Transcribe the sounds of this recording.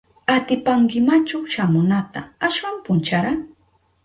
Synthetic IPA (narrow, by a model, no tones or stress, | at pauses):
at̪ɪpaŋkɪmat͡ʃawʃamʊnat̪aaʃwampʊnt͡ʃaɾaŋ